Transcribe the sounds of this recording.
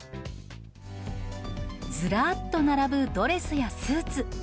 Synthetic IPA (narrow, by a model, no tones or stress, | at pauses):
d͡zɨɾaːt̪ːo̞naɾabɯ̟d̪o̞ɾe̞sɨjasɨːt͡sɨ